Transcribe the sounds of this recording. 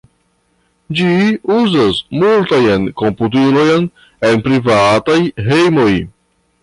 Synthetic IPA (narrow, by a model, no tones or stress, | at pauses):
d͡ʒiuzasmultajankomput̬ilojn | e̞npɾivatajɦe̞jmo̞j